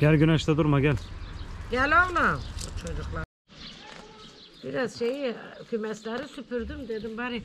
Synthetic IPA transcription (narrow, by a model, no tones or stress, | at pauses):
ɟ̥ælʲɡynɛʃt̪ɛd̪uɾmaɡælʲɟælʲolubut͡ʃʰod͡ʒuxlˠaɾ | b̥iɾazʃejiykʲʰymɛslæɾisypʰyɾd̪ymd̪ed̪imbaɾi